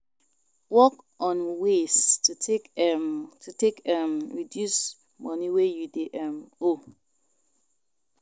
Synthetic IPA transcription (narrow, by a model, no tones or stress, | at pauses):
wɔk | ɔ̃nwestutʰek | tʰutʰekɛmɹidjus | mʌniwejudeʔɛmo